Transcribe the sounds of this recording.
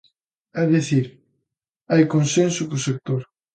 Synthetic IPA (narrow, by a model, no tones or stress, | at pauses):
ɛðiθiɾ | ajkonsẽnsʊkʊsek̚t̪oɾ